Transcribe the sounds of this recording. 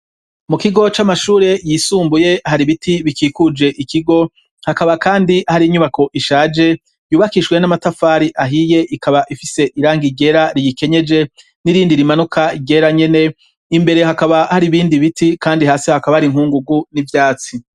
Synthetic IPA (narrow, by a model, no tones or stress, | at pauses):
mukiɡo̞t͡ʃamaʃuːɾe̞jiːsuːmbuje̞haɾiβitiβikiːkud͡ʒe̞ʔikiɡo̞ | hakaβakaːndihaɾiːɲuβako̞ʔiʃaːd͡ʒe̞ | juːβakiʃwe̞namatafaːɾiʔaɦije̞ʔikaβaʔifise̞ʔiɾaːŋɡiɡe̞ɾaɾijike̞ɲe̞d͡ʒe̞ | niɾiːndiɾimanukʰaiɡe̞ɾaɲe̞ne̞ | imbe̞ɾe̞ɦakaβahaɾiβiːndiβitikaːndihaːsihakaβahaɾiŋhuːŋɡuɡunivjaːt͡si